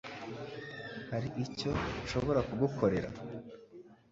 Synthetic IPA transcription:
haɾiʔico̞ʃo̞βo̞ɾakuɡukʰo̞ɾe̞ɾa̰

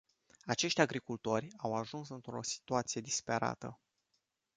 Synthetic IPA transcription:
at͡ʃe̞ʃt̪ʲaɡɾikult̪o̞rʲawaʒunsɨnt̪ɾo̞si̥t̪uat̪sije̞d̪ispe̞ɾa̰t̪ə̰

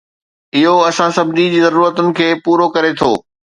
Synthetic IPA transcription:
ɪɦoɐsãsɐbd̪id͡ʑiːzɐɾuːɾət̪ʊnɪ̆kʰeːpuːɾokɐɾet̪ʰoː

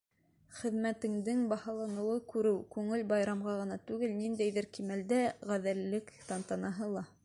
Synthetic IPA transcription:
χɘ̆ðmæt̪ɘ̆ŋd̪ɘŋbɑhɑlˠɑnɤ̆wɤkʉɾɘwkʉŋɘlbɑjɾɑmʁɑʁɤ̆nɑt̪ʉɡɘlnind̪æjðɘɾkimæld̪æʁæðælːɘkt̪ɑnt̪ɑnɑɦɤlˠɑ

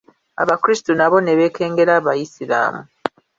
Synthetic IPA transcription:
a̰βakɾisi̥tunaβo̞ne̞βe̞ːkʰe̞ːŋɡe̞ɾaːβajisila̰ːmu

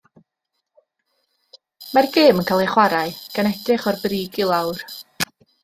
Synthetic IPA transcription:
marɡeːmənkʰalˠeχwaɾaɨɡ̥anɛdrɪχɔrbriːɡɪlˠawr

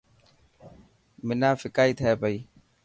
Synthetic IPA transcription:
mɪnaːfɪkaːit̪ʰɛːpəiː

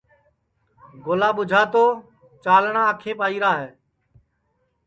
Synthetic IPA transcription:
ɡoːlaːɓʊd͡ʒʱaːt̪oː | t͡ʃaːlɳãːkʰeːpaːiːɾaːɦeː

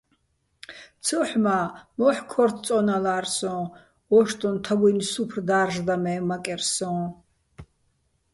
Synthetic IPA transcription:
t͡sʰɔħmamɔħkʰɔrt̪ʰt͡sʼɔnalarsɔ̃ | ɔʃt̪ʼɔnt̪ʰaɡɔjnsupʰrd̪aːrʒd̪amɛːmakʼɛrsɔ̃ː

